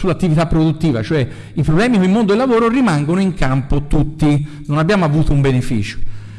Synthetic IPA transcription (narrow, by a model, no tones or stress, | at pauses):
sulːat̪ːivit̪apːɾod̪ut̪ːiːva̰t͡ʃoɛ | ipɾoblɛːmikoilmond̪od̪elːavoːɾorimaŋɡonoiŋkʰampot̪ut̪ːi | nonabjaːmoavuːt̪oumbenefḭːt͡ʃo̥